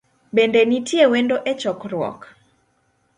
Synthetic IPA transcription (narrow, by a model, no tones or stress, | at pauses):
bendenitʰjewendoʔet͡ʃɔkɾwɔ̰k